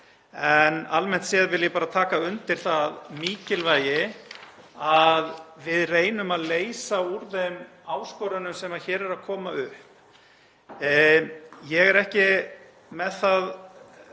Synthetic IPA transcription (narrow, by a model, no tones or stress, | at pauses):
ɛnalmɛn̥t̪sɛːaðvɪljɛpaːɾat̪ʰaːkaʏnt̪ɪɾ̥θaðmiːcɪlvaːjɪ | aðvɪðreːjnʏmaðleːjsauɾðem | aːwskɔɾʏnʏmsɛmaðçɛːɾɛɾaðkʰɔːmaʏhp | jɛɣɛɾɛhcɪ | mɛðθað